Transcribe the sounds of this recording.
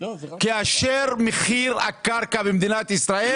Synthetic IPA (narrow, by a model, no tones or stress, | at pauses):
keaʃeʁmeχiʁa̰kaʁkabemd̪inat̪isʁae